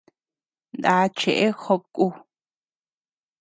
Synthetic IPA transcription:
nd̪aː˧t͡ʃʰe˨ʔe˦xo˧p̚kʼu˧

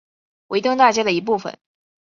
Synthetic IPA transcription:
we˧˥ɪt̪i˥˧ŋt̪a˥˩t͡ɕja˥d̪ə˨˩i˧˥p̬u˥˩fə̰˨˩˦n

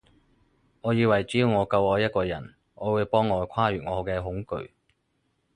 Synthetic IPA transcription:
ŋɔː˨˧jiː˧wɐ˨˩jt͡si˨˥jiː˧wŋɔː˨˧kɐ˧wɔː˨˧jɐ˥t̚kɔː˧jɐ˨˩n | ŋɔː˨˧wuː˨˧˥jpɔː˥ŋːɔː˨˧kʷʰwaː˥jyː˨˩t̚ŋɔː˨˧kɛː˧ɦʊ˨˥ŋkɵ̰˨˧ɥ

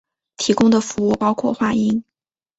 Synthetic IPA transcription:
t̪ʰi˧˥kʊ˥ŋd̪ə˨fu˧˥u˥˩pɑ˥ʊkʰwɔ̰˥˩xwa˥˩i˥ŋ

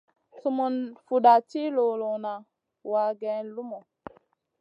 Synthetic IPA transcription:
su˨mu˨nfu˨ɗa˨t͡ʃi˦lo˨lo˨na˨ | wa˨ɡɛ̃˨˦lu˦mo˨

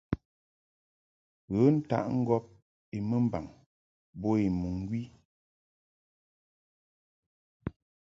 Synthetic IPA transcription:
ɣə˨˦n̩˦ta̰˦ʔŋ̩˦ɡɔ˦p̚ | i˨mə˦m˦ba̰˨ŋ | bɔ˦i˨mu˨ŋ˦ɡwi˦

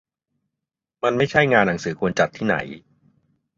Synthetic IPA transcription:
ma˧nma˥˩jt͡ɕʰa˥˩jŋaː˧nːa˩˦ŋsɯː˩˦kʰu˧ənt͡ɕa˨˩t̪ʰːiː˥˩na̰˩˦j

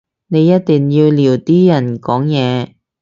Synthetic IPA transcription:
ne˨˧jːɐ˥t̚t̪iː˨ŋjiː˧wliː˨˩wt̪iː˥jɐ˨˩nkɔː˨˥ŋjɛː˨˧

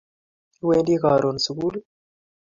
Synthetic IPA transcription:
weː˦ndi˦kaː˨ɾo˨nsu˨ku˦lu˦

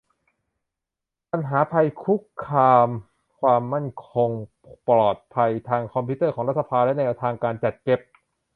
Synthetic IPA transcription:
pa˧nɦaː˩˦pʰa˧jkʰu˦˥kʰːaː˧m | kʰwaː˧mːa˥˩nkʰo˧ŋ | plɔː˨˩t̪̚pʰa˧jt̪ʰaː˧ŋkʰɔ˧mpʰiː˦˥t̪ɤː˥˩kɔː˩˦ŋɾa˦˥t̪̚sa˧pʰaː˧lɛ˦˥nɛː˧t̪ʰaː˧ŋkaː˧nt͡ɕa˨˩t̪̚ke˨˩p̚

